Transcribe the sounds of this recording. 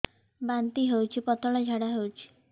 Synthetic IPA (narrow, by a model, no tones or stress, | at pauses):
bant̪iɦewt͡ʃʰipɔt̪ɔɭɔd͡ʒʱaɽaɦewt͡ʃʰi̥